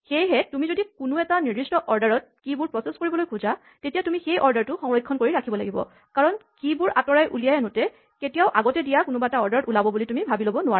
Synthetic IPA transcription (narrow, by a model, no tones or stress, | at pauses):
xejɦɛtumizodikʊnʊɛtaniɹdɹistɔʔɔɹdaɹɔt̚kibʊɹpɹɔseskoɹibɔlojkʰʊza | tetijatumixejʔɔɹdaɹtʊxɔŋɹɔjkʰːɔnkoɹiɹakʰibɔlaɡibɔ̰ | kaɹɔnkibʊɹatɔɹajʔṵlijajɛnʊtɛ | ketijaʊʔaɡɔtɛdijakʊnʊbaɛtaɔɹdaɹɔtulabɔbulitumibʱabilobɔnʊwa